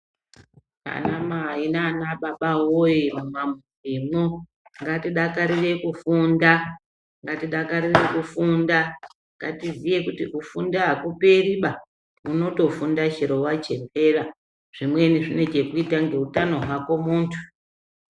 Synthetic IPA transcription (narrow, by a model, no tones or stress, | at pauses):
a̰namaːinaːnaɓaɓawojiumamurimo | ŋɡatiɗakaɾire̞kufunda | ŋɡatiɗakaɾire̞kufunda | ŋɡa̰tivije̞kutiʔufundaɦakuperiɓa | uno̞to̞fundaʃeɾo̞wat͡ʃe̞mpe̞ra | ʐ̥imwe̞niʐine̞t͡ʃe̞kuitaŋɡe̞utano̞ɦwako̞muːntʰu̥